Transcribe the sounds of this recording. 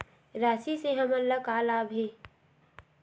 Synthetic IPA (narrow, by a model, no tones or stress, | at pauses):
ɾaːsiseɦəməllːəkaːlaːbʱeː